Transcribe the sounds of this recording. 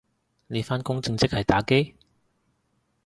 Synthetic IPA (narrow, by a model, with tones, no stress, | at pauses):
ne˨˧jfaː˥nkʊ˥ŋt͡sɪ˧ŋt͡sɪ˥k̚hɐ˨jt̪aː˨˥ke˥j